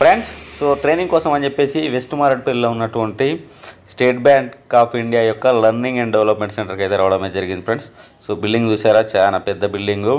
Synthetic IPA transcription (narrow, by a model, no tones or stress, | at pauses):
pɾeɳɖsːoːʈɾe̞ːniŋɡkɔːsɐmɐnt͡ʃepːe̞ːsiʋesʈmaːɾɐʈ̚pelloːunːɐʈuʋɐɳʈisʈeːʈ̚bjaːŋkkaːpʰiɳɖijaːjɔkːɐlɐɾniŋɡɐɳɖɖeʋlɐpme̞ɳʈseɳʈɐɾkɐjt̪eɾaːʋɐɽɐmeːɐd͡ʒɐɾiɡind̪ipʰɾeɳɖsː | oːbilɖiŋɡt͡ʃuːsaːɾaːt͡ʃaːnapɛd̪ːɐbilɖiŋɡu